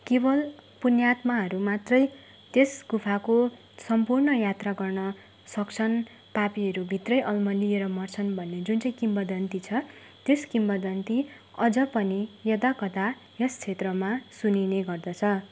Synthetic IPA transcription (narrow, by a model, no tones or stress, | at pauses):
kebʌlpunjat̪maɦʌɾumat̪rʌj | t̪esɡupʰako | sʌmpurnʌjat̪raɡʌrnʌ | sʌkt͡sʰʌn | papiɦʌɾubʱit̪rʌjʔʌlmʌlieɾʌmʌrt͡sʰʌnbʱʌnːed͡zunt͡saj̃kimbʌd̪ʌnt̪it͡sʰʌ | t̪eskimbʌd̪ʌnt̪i | ʌd͡zʌpʌnijʌd̪akʌt̪a | jʌst͡sʰet̪rʌmasunineɡʌrd̪ʌt͡sʰʌ